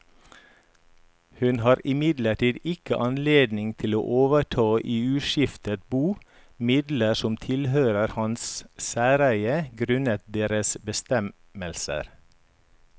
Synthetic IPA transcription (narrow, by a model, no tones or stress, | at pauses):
hʉnhɑːɾɪmɪd̪ləʈiːd̪ɪkəʔɑnleːd̪nɪŋt̪ʰɪlo̰ːʔoːʋəʈʰɑːʔiːʉːʃɪft̪ət̪buː | mɪd̪ləsɔmt̪ʰɪlhøːɾəɾhɑnssæːɾæɪəɡɾʉnət̪̚d̪eːɾəsbəst̪ɛm | əlsə̰ɾ